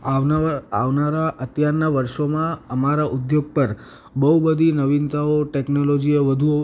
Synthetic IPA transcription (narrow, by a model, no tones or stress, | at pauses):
aʋaʋnaɾaʔət̪jaɾnaʋəɾʃomãəmaɾaʔud̪joɡ̚pəɾ | bəɦubəd̪ʱinəʋint̪aoʈeknolod͡ʒieʋəd̪ʱuo